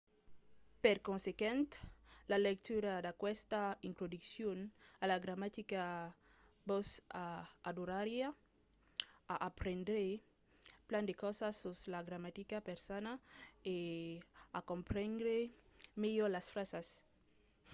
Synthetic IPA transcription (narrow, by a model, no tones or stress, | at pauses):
peɾkonsekjẽnt̪lalek̚t̪uɾad̪akwest̪aint̪ɾod̪iksjonalaɡɾamat̪ika | bosaad̪uɾaɾja | aʔapɾend̪ɾe | pland̪ekosasoslaɡɾamat̪ikapeɾsanae | akompɾẽnd̪ɾemejolasfɾasas